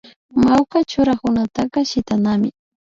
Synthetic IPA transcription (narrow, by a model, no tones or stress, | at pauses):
mawkat͡ʃʊɾakʊnat̪ɑqɑʃɪt̪anamɪ